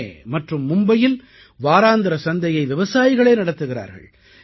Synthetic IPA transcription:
mɐʈrɯmːʊmbɐjɪl | ʋaːɾaːnd̪ɐɾɐsɐnd̪ɐjɐɪʋɪʋɐsaːjɪɣɐɭeːnɐɽɐt̪ːɯɣɪra̰ːɾɣɐ̰ɭ

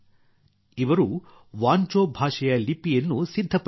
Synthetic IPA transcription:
iʋɐɾu | ʋaːnt͡ʃoːbʱaːʂɐjɐlipːijɐnːusid̪ʱːɐp

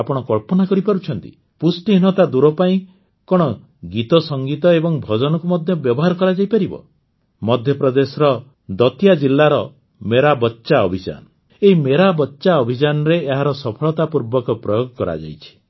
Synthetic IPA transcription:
apɔɽ̃ɔkɔɭpɔnakɔɾipaɾut͡ʃʰɔnt̪ḭ | pusʈinɔt̪ad̪uɾɔpaĩ | kɔɽ̃ɔ | ɡit̪ɔsɔŋɡit̪ɔebɔŋbʱɔd͡ʒɔnɔkumɔd̪ʱjɔbjɔbɔɦaɾɔkɔɾad͡ʒajpaɾibɔ̰ | mɔd̪ʱjɔpɾɔd̪esɔɾɔ | d̪ɔt̪ijad͡ʒilːaɾɔ | meɾabɔtːʃaɔbʱid͡ʒa̰nɔ | eɦimeɾabɔtːʃaɔbʱid͡ʒanɔɾeːɦaɾɔsɔpʰɔɭɔt̪apuɾbɔkɔpɾɔjoɡɔkɔɾa̰d͡ʒa̰jt͡ʃʰi̥

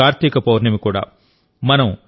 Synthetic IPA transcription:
aːɾt̪ikɐpoːʋɐɾnɐmikuːɽa̰ː | mɐnɐm

